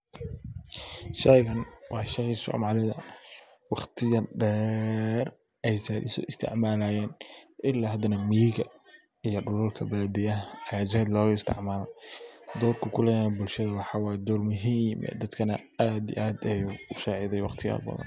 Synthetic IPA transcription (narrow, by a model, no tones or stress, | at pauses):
ʃɛjɣɐnwɑːʃɐisɔ̰ːmaːlɪðɐ | wɑχt̪ʰɪjɐɖɛːr | ʔɛjsɐɪ̰sɔ̰ɪst̪ʰɪ̰ʕmaːlaːjɛːnʔɪlaːɦɐd̪ɐnɐmijɪɡɐ | ijɔɖʊlʊlkʰɐbaːd̪ɪjɐɐaːd͡ʒɛːd̪lɔːɣʊɪst̪ʰɪ̰ʕmaːlɐ̰d̪ɔːrkʰʊkʰʊlɛjaːnbʊlʃɐðɐwɑħɑːwɑːd̪ɔːrmʊɦimʔɛ̰ːd̪ɐd̪kʰɐnɐaːd̪ḭʔaːd̪ɐjuʊʃaːʕɪðɛjwɑχt̪ʰɪjɐ̰bɐ̰ðɐ̰n